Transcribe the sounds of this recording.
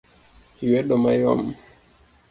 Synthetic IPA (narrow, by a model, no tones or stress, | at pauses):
hiwɛɗɔmajɔ̰m